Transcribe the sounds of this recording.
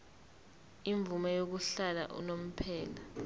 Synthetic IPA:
iɱb̪vumajok̬uɬala̰ʔṵnom̩pʰɛːla

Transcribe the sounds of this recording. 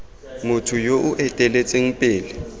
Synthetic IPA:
mʊtʰʊjoʔʊʔɛtʼɛlet͡sʼeŋ̩pʼɪːlɪ

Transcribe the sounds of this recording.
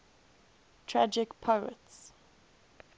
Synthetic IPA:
tʰɹad͡ʒɪkpʰəə̰ts

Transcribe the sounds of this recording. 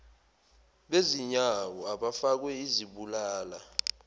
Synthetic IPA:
ɓeziɲawɔaɓafak̬wɛiziɓulaːla

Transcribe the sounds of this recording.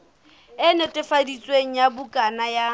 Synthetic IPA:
ɪnʊtʼɪfadit͡sʼweŋ̩jabukʼanaja

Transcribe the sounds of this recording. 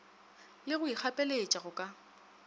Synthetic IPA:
lɪɣʊik͡xʰapʼelet͡ʃʼaɣʊkʼa

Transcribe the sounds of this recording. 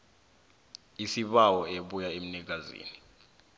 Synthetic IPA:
isiɓawɔeɓujaem̩nik̬azḭːni

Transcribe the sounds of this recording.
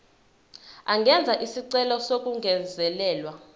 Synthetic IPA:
aŋɡʱɛnd͡zʱaʔisiǀɛlɔsokʼuŋɡʱɛnd͡zʱɛlɛːlwa

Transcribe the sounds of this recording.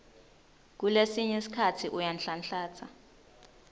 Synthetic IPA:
k̬ulesiɲɛsi̥kʰatʰiʔujanɬanɬaːt͡sʰa

